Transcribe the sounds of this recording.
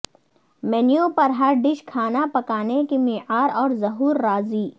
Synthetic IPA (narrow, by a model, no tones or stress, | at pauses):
mɛːnjõpɐɾɦɐɾɖɪʃkʰaːnapɐkaːnekimiːʕaːɾɔːɾzɐɦuːɾːaːziː